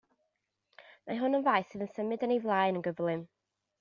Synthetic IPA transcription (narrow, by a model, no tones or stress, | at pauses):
maɦʊnənvajθɨðənsəmɨdənejvlˠaɨnənɡəvlˠɨm